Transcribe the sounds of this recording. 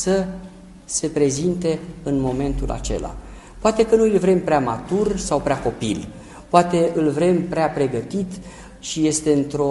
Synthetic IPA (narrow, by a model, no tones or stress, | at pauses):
sə | se̞pɾe̞zint̪e̞ɨnmo̞me̞nt̪ulʔa̰t͡ʃe̞̰la̰ | poat̪e̞kənuilvɾe̞mpɾeamat̪ursawpɾeako̞pil | poat̪e̞ɨlvɾe̞mpɾeapɾe̞ɡət̪it̪ | ʃije̞st̪e̞ɨnt̪ɾo̞